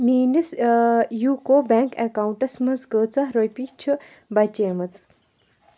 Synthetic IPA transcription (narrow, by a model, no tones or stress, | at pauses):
miːnisjuːkoːbɛːŋkekauɳʈɐsmɐt͡sɡəːt͡sɐɦɾojpit͡ʃʰu | bɐt͡ʃeːmɐt͡s